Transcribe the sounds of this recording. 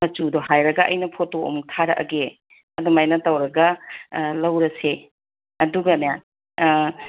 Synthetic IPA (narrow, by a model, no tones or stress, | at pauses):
mɐt͡ʃudoɦajɾɐɡɐʔɐ̰jnɐpʰotoo̰mtʰaɾɐ̰ʔɐ̰ɡe | ɐdumajnɐtɐwɾɐɡɐlɐwɾɐse | ɐduɡɐnejan